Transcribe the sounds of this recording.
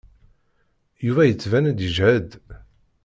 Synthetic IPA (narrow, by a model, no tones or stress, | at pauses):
juvæjət͡sːvænæd̪əʒhæd̪